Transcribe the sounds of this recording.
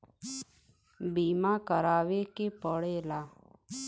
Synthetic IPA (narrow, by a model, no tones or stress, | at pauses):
biːmaːkəɾaːʋeːkepəɽeːlaː